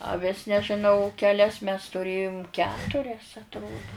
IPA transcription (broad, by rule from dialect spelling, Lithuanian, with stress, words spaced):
ɐˈʋʲɪs nʲɛʒʲɪˈnɐʊ kʲɛˈlʲɛs mʲɛs tʊˈrʲeːjʊm ˈkʲæːtʊrʲɛs ɐtˈroːdʊ